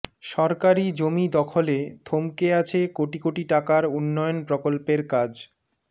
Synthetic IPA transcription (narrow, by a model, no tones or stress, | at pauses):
ʃɔɾkaɾid͡ʑomid̪ɔkʰoled̪ʱomkeat͡ɕʰekoʈikoʈiʈakaɾunːɔjonpɾokolpeɾkad͡ʑ